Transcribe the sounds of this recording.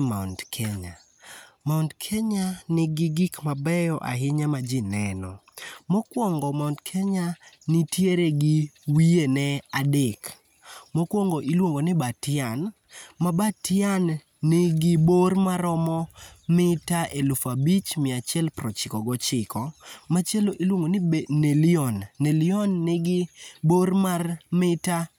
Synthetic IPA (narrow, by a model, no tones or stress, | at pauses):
maʊndkʰeɲa | maʊndkʰeɲanɪɡɪɡikmabɛjɔʔa̰ɦɪɲamad͡ʒɪnɛnɔ | mɔkwɔŋɡɔmaʊndkʰeɲanɪtjeɾeɡɪwienɛadek | mɔkwɔŋɡoʔilwoŋɡonɪbatɪan | mabatɪanː | ɪɡɪbormaɾɔmɔmɪtaʔelʊfabit͡ʃmɪat͡ʃjɛlpɾɔt͡ʃɪkɔɡɔt͡ʃɪkʰɔmat͡ʃɛloʔilwoŋɡonɪneliɔnːelɪɔnːɪɡɪbormarmɪta